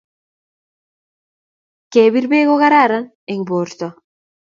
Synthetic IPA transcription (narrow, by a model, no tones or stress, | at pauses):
keβiɾbeɣoɣaɾaɾaŋ | eŋboɾt̪o